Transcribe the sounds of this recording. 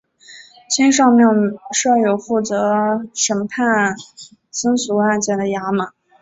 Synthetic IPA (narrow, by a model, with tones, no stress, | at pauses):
t͡ɕʰi˥nʂ̬ɑ˥˧mjɑ˥˧ŋʂɤ˥˩jo˨˩ʊfu˥˩t͡sɤ˧˥ʂə˧˥npʰa˥˩n | sə˥nsu˧˥a˥˧nt͡ɕjɛ˥˩nd̪ə˩ja˧˥mə˨˩˦